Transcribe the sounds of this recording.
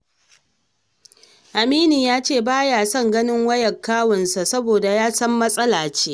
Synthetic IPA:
ʔa˨miː˦niː˨jaː˦t͡ʃeː˦˨baː˦jaː˨sɐ˦˨ŋɡɐ˦nɪ˦ŋwɐ˦jɐ˨kːaː˦wɐ˨nsa˨sɐ˦boː˨da˨jaː˦sɐ˦mːɐ˦sʼɐ˦laː˨t͡ʃeː˦

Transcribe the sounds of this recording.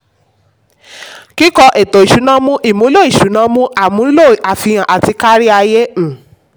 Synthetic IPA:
ki˦kɔ˧ʔe˨to˨i˨ʃu˨˦nã˦mũ˦ʔi˨mo˨˦lo˦i˦˨ʃu˨˦nã˦mũ˦ʔa˨mũ˨˦lo˦˨a˨fi˧j̃ã˨ʔa˨ti˧ka˦ɾi˦a˧je˦n̩˦˨

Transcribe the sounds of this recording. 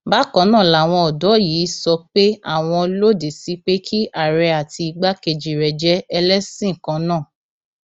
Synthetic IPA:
ba˦kɔ̃˨˦nãː˦˨la˨w̃ɔ̃˧ɔ˨dɔ˨˦jiː˨˦sɔ˧k͡pe˦a̰˦˨w̃ɔ̃˧lo˦de˨si˨˦k͡pe˦kʰi˦ʔa˨ɾɛ˧a˨ti˧ɡ͡ba˦ke˧d͡ʒi˨ɾɛ˨d͡ʒɛ˦ɛ˧lɛ˦sĩ˦˨kã˨˧˦nãː˦˨

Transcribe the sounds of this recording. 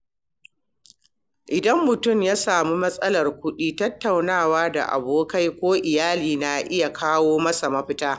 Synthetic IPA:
ʔɪ˨dɐ˦mːʊ˨tʊ˦˨mjaː˦saː˨muː˦mɐ˦sʼɐ˦lɐ˨rkʷʊ˦ɗiː˦tɐ˦tːa˨wnaː˦˨waː˦da̰˨ʔa̰˨boː˦ka˦jkʷoː˦ʔɪ˨jaː˦liː˨na˨ʔɪ˦ja˨kʰaː˦woː˦mɐ˦sa˨mɐ˦ɸɪ˦taː˦

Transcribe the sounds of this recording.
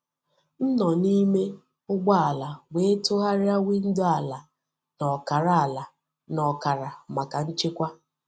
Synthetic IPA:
n̩˦nɔ˨ni˦me˦ | ʊ˦ɡ͡ba˦a˨la˨we˨˦tʊ˦ɦa˦ɾɪ˦a˦wi˦n̩˦dʊ˦a˨la˨ | nɔ˨ka˨ɾa˦a˨la˨ | nɔ˨ka˨ɾa˨ma˨ka˨n̩˦t͡ʃe˦kʷa˦

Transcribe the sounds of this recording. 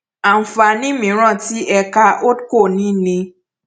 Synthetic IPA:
a˨m̩˨fa˧nĩ˦mĩ˨˦ɾ̃ã˦˨ti˦ʔɛ˧ka˧ʔo˦dko˦˨nĩ˨˦˨nĩ˧

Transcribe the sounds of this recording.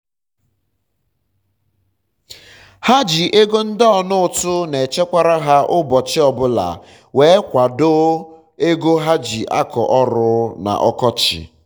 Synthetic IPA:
ha˦d͡ʒi˨ʔe˦ɡo˦n̩˦dɔ˨nʊ˦ʊ˨tʊ˦ne˨t͡ʃe˦kʷa˨ɾa˦ɦa˦ʔʊ˦bɔ˨t͡ʃɪ˦ɔ˨bʊ˦la̰˨ | we˨˦kʷa˨do˦ | e˦ɡo˦ɦa˦d͡ʒi˨ʔa̰˦kʰɔ̰˨ʔɔ˦ɾʊ˦na̰˨ʔɔ˦kɔ˦t͡ʃɪ̰˨

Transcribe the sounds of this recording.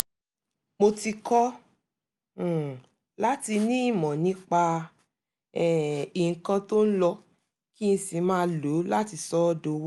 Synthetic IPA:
mo˧ti˧kɔ˦˨ | la˦ti˧nĩ˦i˦˨mɔ̃˨nĩ˨˦k͡pa˧ | ɛ˦˨i˨ŋ̩˨kã˧to˦n̩˦lɔ˧ | ki˦ñ̩˧si˨˧˦mãː˦˧lo˨˦la˦ti˧sɔ˦do˧w

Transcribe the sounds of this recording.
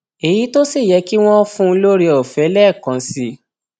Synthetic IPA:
e˨ji˨˦to˦si˦˨jɛ˨˧ki˦w̃ɔ̃˦fũ˦˧lo˦ɾi˧ɔ˨fɛ˨˦lɛ˦˨kã˨˦si˧

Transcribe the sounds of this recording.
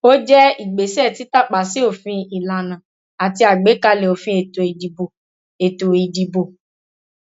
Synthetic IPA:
o˦d͡ʒɛ˦i˨ɡ͡be˨sɛ˦˨ti˦ta˦k͡pa˨si˨˦o˦˨fĩ˧i˨la˨nã˨ | a˨ti˧˦a˨ɡ͡be˨˦ka˧le˨o˨fĩ˧e˨to˨i˨di˨bo˨ | e˨to˨i˨di˨bo˨

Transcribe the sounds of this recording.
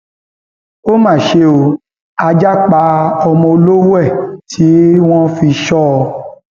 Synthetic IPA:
o˦mãː˦˨ʃe˦o˧ | a˧d͡ʒa˦k͡pa˧˦ɔ˧mɔ̃˧o˧lo˦wɛ˦˨tʰi˨˦w̃ɔ̃˦fi˧ʃɔ˦˧

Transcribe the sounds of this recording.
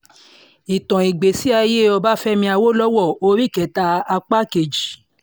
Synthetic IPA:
i˨tɔ̃˨i˨ɡ͡be˨si˨˦a˧je˦ɔ˧ba˦fɛ˦mĩ˧˦a˧wo˦lɔ˦wɔ˦˨o˧ɾi˦˨kɛ˨˦˨ta˧a˧k͡pa˦ke˨d͡ʒi˨

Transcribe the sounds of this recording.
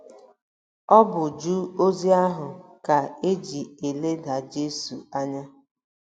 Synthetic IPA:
ɔ˦bʊ˨d͡ʒu˦o˦zi˦a˦ɦʊ˨ka˨e˦d͡ʒi˨e˨le˦da˨d͡ʒe˦su˨a˦ɲa˦

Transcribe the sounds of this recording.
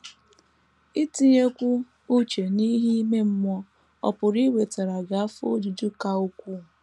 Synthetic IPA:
i˦ti˦ɲe˦kʷu˦ | u˦t͡ʃe˨ni˦ɦi˦me˦m̩˦mʷɔ˦ | ɔ̰˨pʊ˨ɾi˦we˨ta˨ɾa˨ɡa˨a˦fo̰˦du˨du˦ka˦u˦kʷu˦˨

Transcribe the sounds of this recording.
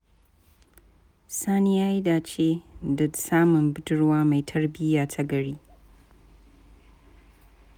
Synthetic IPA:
saː˦ni˦ja˦ji˦daː˨t͡ʃe˦dɐ˨dsaː˦mɨ˨nbɨ˦dɨ˦ɾwaː˦ma˨jtʰɐ˦ɾbɪ˦jaː˨tʰɐ˦ɡɐ˨ɽi˦

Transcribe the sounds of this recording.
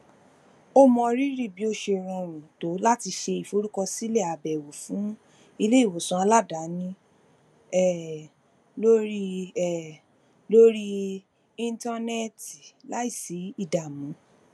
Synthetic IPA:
o˦mɔ̃˧ɾi˦ɾi˦˨bi˨˦o˧ʃe˧ɾ̃ɔ̃˧˨ɾ̃ũ˨to˨˦la˦ti˧ʃe˧i˨fo˦ɾu˦kɔ˧si˦le˦˨a˨bɛ˨wo˨fũ˨˦ | i˧le˦i˦˨wo˨sũ˧˦a˧la˦˨da˨˦nĩ˦ | ɛ˦˨ | lo˦ɾi˦˨ | lo˦ɾi˦ | ĩ˧nta˧nɛ˦ti˨la˦i˦˨si˨˦i˦˨da˨mũ˨˦

